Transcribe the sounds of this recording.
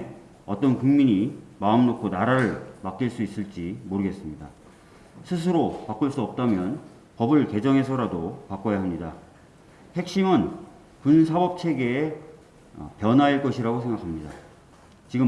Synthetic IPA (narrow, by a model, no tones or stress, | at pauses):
ʌt͈ʌnkuŋmiɲimaɯmnokʰonaɾaɾɯɭmak͈iɭs͈uis͈ɯɭt͡ɕ͈imoɾɯɡe̞s͈ɯmɲida | sʰɯs̬ʰɯɾopak͈uɭs͈uʌp̚t͈amjʌn | pʌbɯɭke̞d͡ʑʌŋɦe̞s̬ʰʌɾadopak͈ʌjaɦamɲida | he̞k̚ɕ͈imɯn | kunsʰabʌp̚t͡ɕʰe̞ɡe̞ː | ʌ̰pjʌnɦaiɭk͈ʌɕʰiɾaɡosʰe̞ŋɡakʰamɲida̰ | t͡ɕiɡɯ